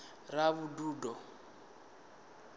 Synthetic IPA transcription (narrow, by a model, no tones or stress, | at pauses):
raβuduːdɔ